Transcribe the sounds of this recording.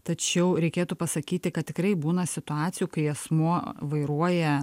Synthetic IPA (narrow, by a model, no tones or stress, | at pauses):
t̪ɐt͡ʃʲɛʊɾʲɛɪkʲeːt̪uːpɐsɐkʲiːt̪ʲɪkɐt̪t̪ʲɪkɾɐɪbuːnɐsʲɪt̪ʊɑːt̪sʲɪjuːkɐɪɛsmuɔʋɐɪɾuɔjɛ